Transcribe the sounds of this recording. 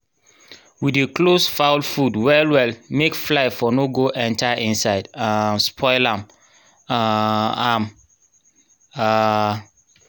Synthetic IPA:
wideklosfaʊlfudwɛlwɛlmekflaɪfɔnoɡoʔɛ̃ntʰaʔĩnsaɪdãspʰɔɪlãm | aam | a

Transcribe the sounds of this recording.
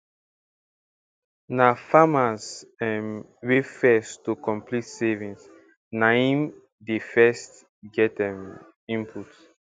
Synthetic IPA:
nafamasɛ̃m | wefɛstukɔ̃mplitsɛvĩns | naĩm | defɛst | ɡɛtɛ̃m | ĩmpʰut

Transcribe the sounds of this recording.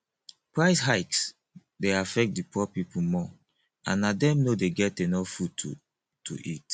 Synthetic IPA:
pɹaɪsɦaɪks | deafɛk̚t̚dipɔpipumɔ | ã̰nːadɛ̃mnodeɡɛt̚denɔfud̚t | tʰṵʔit

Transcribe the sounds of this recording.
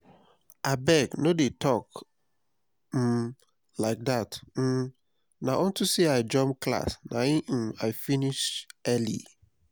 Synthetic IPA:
abɛɡnodetɔk | m̩ | laɪk̚datm̩ | naʔõntuseaɪd͡ʒɔ̃mkla̰snaĩʔ̩aɪfiniʃɛlḭ

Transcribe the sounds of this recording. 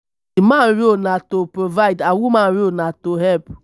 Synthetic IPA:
imãnɾionatopɹovaɪdawumãnɾionatoɦɛlp

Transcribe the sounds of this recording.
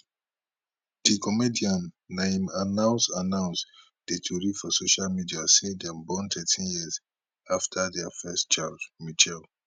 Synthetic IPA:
d̥ikɔmediãnːẽmanãʊ̃nsanãʊ̃ns | d̥etʰuɾifɔsoʃalmidiasedɛ̃mbɔ̃ntʰɛtʰĩnjiz | aftʰadɛafɛst͡ʃaldmit͡ʃɛl

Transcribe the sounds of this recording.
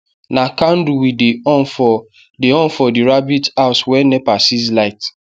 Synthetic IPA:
nakan̩duwidifɔ | deɔ̃nfɔdiɾabitaʊswɛnɛpasizlaɪt

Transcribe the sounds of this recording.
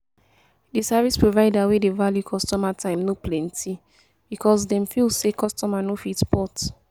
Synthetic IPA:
disavispɹovaɪdawedevaljukʰɔstɔmatʰãɪ̃mnoplɛ̃nti | bikʰɔsdɛ̃mfilsekɔstɔmanofitspɔt

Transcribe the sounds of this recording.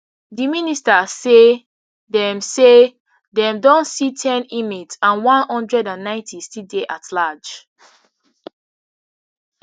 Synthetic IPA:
diministase | dɛ̃mse | dɛ̃mdɔ̃ntsitʰɛ̃nimitsãnwãnhɔ̃ndɹɛdãnːãɪ̃ntʰistildeʔatʰlad͡ʒ

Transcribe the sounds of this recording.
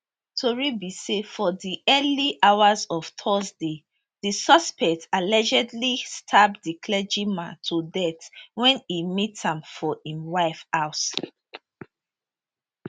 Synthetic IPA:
tʰoɹibisefɔðiʔɛliʔawazɔv̥tʰɔzde | ðisɔspɛk̚tʰalɛd͡ʒɛdlistʰabdikʰlɛd͡ʒimatʰudɛtwɛ̃nimithãmfɔĩwaɪfaʊs

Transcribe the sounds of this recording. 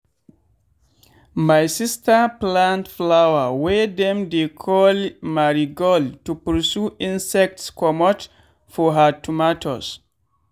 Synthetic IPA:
majsistaplãntflawawɛdɛ̃mdekʰɔlmaɹiɡɔltupəsuʔĩnsɛk̚tskɔmɔt | fɔɦatumatʰɔ̰s

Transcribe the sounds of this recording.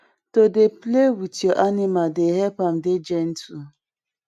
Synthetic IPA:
todeplewitoʔanɪmaldeɦɛpam̩ded͡ʒen̩tʰu

